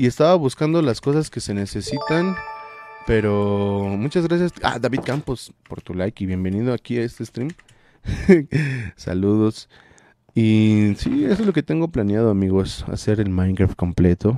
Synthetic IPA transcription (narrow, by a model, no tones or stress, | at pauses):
ie̞st̪aβaβuskand̪o̞lasko̞saske̞se̞nese̞sit̪an | pe̞ɾomut͡ʃazɣɾasjasa̰ðaβiðkampospo̞ɾt̪ulajkiβje̞mbe̞nið̞oakiae̞st̪eːst̪ɾim | sa̰luðos | isḭesozlo̞ke̞t̪e̞ŋɡo̞planjað̞oamiɣosa̰se̞ɾe̞lmãjŋkɾaft̪̚ko̞mplet̪o